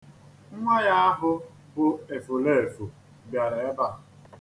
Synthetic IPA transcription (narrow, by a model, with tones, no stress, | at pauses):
ŋ̩˦ŋʷa˦ja˦a˦ɦʊ˦ | bʊ˦e˨fo˨le˦e˨fo˨ | bja˨ɾe˨e˦ba˦˨